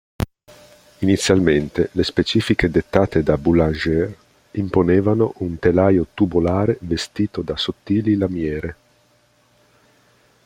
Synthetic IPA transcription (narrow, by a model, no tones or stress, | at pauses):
init̪sːjalment̪elespet͡ʃiːfiked̪et̪ːaːt̪ed̪abulaʒɛr | imponeːvanoʔunt̪elaːjot̪ubolaːɾevest̪iːt̪od̪asot̪ːiːlilamjɛːɾe